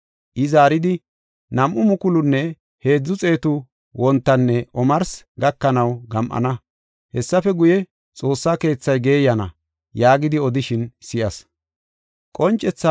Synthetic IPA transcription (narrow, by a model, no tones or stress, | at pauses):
ʔɪzaːɾɪd̪ɪ | nɐmʔʊmʊkʊlʊnːɛ | he̞ːd͡zːʊt͡sʼe̞ːt̪ʊ | wɔnt̪ːɐnːɛʔɔmɐɾs | ɡɐkːɐnɐwɡɐmʔɐ̰nɐ | hɛsːɐfɛɡʊjɛ | t͡sʼo̞ːsːake̞ːt͡sːɐjɡe̞ːjɐnɐ̰ | jaːɡɪd̪ɪɔd̪ɪʃɪnsɪʔɐs | kʼɔnt͡ʃʼːɛt͡sːa